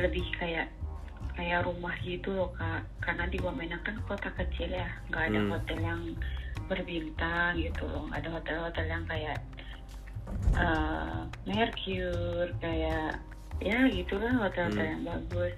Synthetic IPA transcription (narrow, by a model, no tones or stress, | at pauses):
ləbɪhkajaʔ | kajaʔɾumahɡit̪ulɔhka | karnadibamanakankot̪akət͡ʃɪljahŋɡaːdaɦot̪ɛljaŋbərbint̪aŋɡit̪ulɔ̰ŋɡa̰ːdaɦot̪ɛlhot̪ɛljaŋkajaʔ | ʔə | mɛrkʰjurkajaʔ | jaɡit̪ulahot̪ɛlhot̪ɛljaŋbaɡʊs